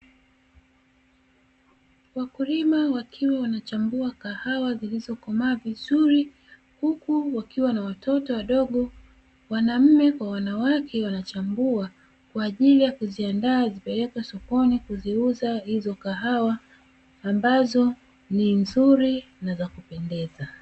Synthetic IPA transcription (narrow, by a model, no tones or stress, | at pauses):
wakulimawakʰiwawanat͡ʃambuakahawazilizɔkɔmaːvizuɾi | hukuwakiwanawatɔtɔwaɗɔɠɔ | wanam̩mɛkwawanawakʰɛwanat͡ʃambua | kwaːʄilijakuziandaːzipɛlɛkwasɔkɔnikuziuzahizɔkaɦawaː | mbazɔ | ninzuɾi | nazakupɛndɛza